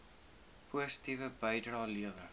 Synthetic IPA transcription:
pʰuəsə̥tivəbəjdrɑːliəvə

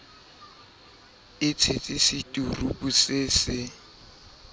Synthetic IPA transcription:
ɪt͡sʰet͡sʼɪsɪtʼurubusɪsɪ

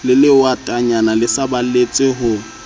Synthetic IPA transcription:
lɪlɪwatʼaɲanalɪsabalet͡sʼɪɦʊ

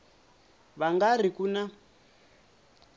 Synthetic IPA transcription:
βaŋɡar̤ikuna

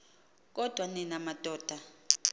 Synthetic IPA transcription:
k̬ʼɔd̥ʱwaninamad̥ʱɔːd̥ʱa

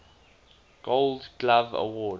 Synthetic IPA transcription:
ɡ̥oldɡlavə̰wɔːd

